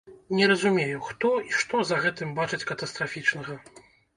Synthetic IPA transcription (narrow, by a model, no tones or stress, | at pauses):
nʲɛɾɐzumʲejuxt̪ɔiʂt̪ɔzɐɣɛt̪ɨmbat͡ʂɨt͡sʲkɐt̪ɐst̪ɾafʲit͡ʂnɐɣɐ